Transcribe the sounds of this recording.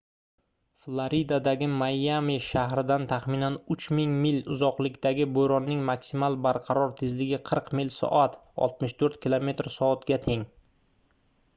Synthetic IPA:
flˠoɾid̪ad̪aɡʲɪmajːamiʃaɦɾɪd̪ant̪ʰaχmɪnanʊt͡ʃmɪŋmɪlʊzɒqlˠɪkʲt̪aɡʲɪbojɾɒnːɪŋmaksimalˠbaɾqʰɑɾɒɾt̪ʰɪzlɪɡʲɪqʰɨɾqmɪlsɒ̰ʔat̪ɒ̰lˠt̪̚mɪʃt̪ʰɵɾt̪kʲʰilˠome̞t̪ɾsɒːt̪ɡʲat̪ʰe̞ŋ

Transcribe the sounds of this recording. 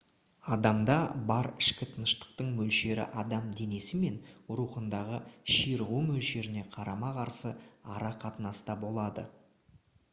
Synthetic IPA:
ɑd̪ɑmd̪ɑbɑɾɪʃkʲɪt̪ʰənəʃt̪ə̥q̚t̪əɴmɵlʃe̞ɾɪ̰ʔɑd̪ɑmd̪e̞ne̞sɪme̞nʊɾuqənd̪ɑʁəʃijɾʁumɵlʃe̞ɾɪne̞qʰɑɾɑmɑqʰɑɾsəɑɾɑqʰɑt̪ənɑst̪ɑbo̞lˠɑd̪ə̰

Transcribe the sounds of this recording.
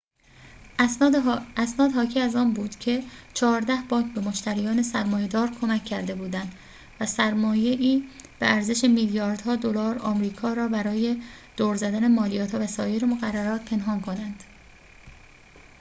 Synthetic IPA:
æsnɒːd̪hɒːcʰiːæzɒːnbuːd̪̥cʰe̞t͡ʃʰɒːɾd̪æhbɒːŋkʰbe̞moʃt̪ʰæɾijɒːne̞sæɾmɒːje̞d̪ɒːɾkʰo̞mæcʰːæɾd̪e̞buːd̪ænd̪ | væsæɾmɒːje̞ʔiːb̥eæɾze̞ʃe̞miljɒːɾd̪hɒːd̪olɒːɾɒ̰ːmɾiːkʰɒːɾɒːbæɾɒːje̞d̪̥oːɾzæd̪æne̞mɒːlijɒːt̪hɒːvæsɒːjeɾemoɣærːæɾɒːt̪̚pʰe̞nɦɒːnkʰo̞nænd̪̥

